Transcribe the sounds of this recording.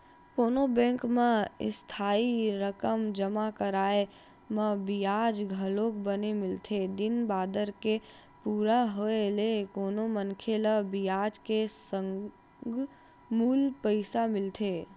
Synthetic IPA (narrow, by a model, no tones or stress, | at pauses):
koːnobɛ̃ːŋkmẽɪ̰st̪ʰaːiɾəkəmd͡ʒəmakəɾaːe | mə̃bijaːd͡ʒɡʱəloːkbənemɪlt̪ʰed̪ɪnbaːd̪əɾke | puːɾaɦoelekoːnomənkʰeləbijaːd͡ʒkesə̃ŋ | ɡ | muːlpəɪsamɪlt̪ʰeː